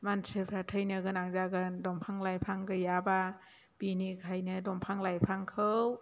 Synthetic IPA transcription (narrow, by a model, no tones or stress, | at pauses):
mansɯpʰɾatʰɯjnɯɡɯnaŋzaɡɯndɔmpʰaŋlajpʰaŋɡɯjaba | b̥inikʰajnɯdɔmpʰaŋlajpʰaŋkʰɯw